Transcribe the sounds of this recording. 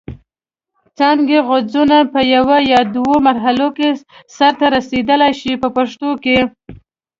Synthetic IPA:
t͡sɑŋɡeɣod͡zunapəjawajɑd̪womaɾɦalokesaɾt̪aɾased̪əlajʃipəpaʂt̪oke

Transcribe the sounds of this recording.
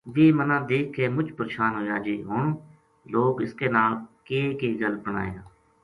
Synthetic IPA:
ʋeːmənãːd̪eːkʰːeːmʊd͡ʒpəɾeːʃaːnɦoːjaːd͡ʒiːɦoːnː | loːɡɪskeːnaːlkeːkeːɡəlpəna̰ːḛaː

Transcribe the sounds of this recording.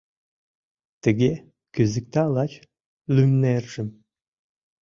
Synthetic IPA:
t̪ə̆ɣe | kyzik̚t̪ɑlɑt͡ɕ | lymnerʒ̥ɘ̆m

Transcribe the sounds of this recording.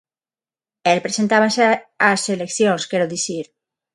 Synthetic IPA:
elpɾesent̪aβasaselekθjõŋskeɾoðiθiɾ

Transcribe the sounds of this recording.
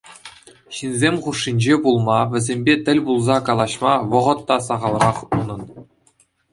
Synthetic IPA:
ɕinzʲemʲχuʂːinʲd͡ʑebulˠmɑʋʲɘ̆zʲemʲbʲet̪ʲɘ̆lʲbulˠzɑkɑlˠɑɕmɑʋɤ̆ʁɤ̆t̪ːɑs̬ɑʁɑlˠrɑχunɤ̆n

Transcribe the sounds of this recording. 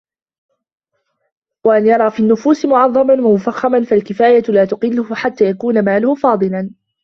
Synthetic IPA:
waʔanjɑɾˤɑːfiːnːʊfuːsɪmʊʕɑðˤːɑmanwamʊfaxːamanfalkɪfaːjalaːt̪ʊqɪlːʊhʊħat̪ːaːjakuːnamaːlʊhʊfɑːd̪ˤɨlan

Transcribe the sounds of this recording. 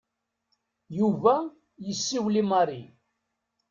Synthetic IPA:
juvæ | jəsːiwlimɑɾi

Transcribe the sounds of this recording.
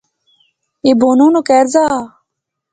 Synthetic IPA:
eːboːnũːnokɛːɾzaː

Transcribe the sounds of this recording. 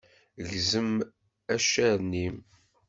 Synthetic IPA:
ɣzəm | æʃæɾnːim

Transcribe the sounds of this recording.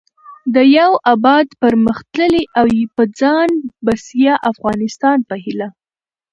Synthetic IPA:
d̪əjawabɑd̪pəɾməxt̪ləleʔawjepəd͡zɑnbasjaʔafɣɑnɪst̪ɑnpəɦila

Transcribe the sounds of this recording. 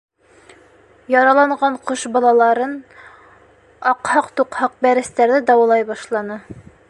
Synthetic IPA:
jɑɾɑlˠɑɴɢɑɴqoʃbɑlˠɑlˠɑɾɤn | ɑqhɑqt̪uqhɑq̚bæɾɘ̆st̪æɾðɘd̪ɑwɑlˠɑjbɑʃlˠɑnɤ

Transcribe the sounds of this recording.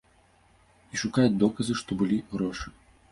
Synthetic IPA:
iʂukajɛd̪ɔkɐzɨʂt̪ɔbɨlʲiɣɾɔʂɨ̥

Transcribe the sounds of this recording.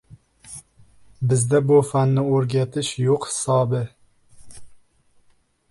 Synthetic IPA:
bɪzd̪ɛbufænːɪoɾɡʲæt̪ʰɪʃjoqhɪ̥sɑːbɪ

